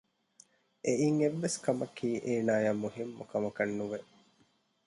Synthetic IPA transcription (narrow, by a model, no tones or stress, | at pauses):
ʔeiːŋeʋːeskɐmɐkʰiːʔeːnaːjaːmuɦimːṵkɐmɐkɐnːuʋe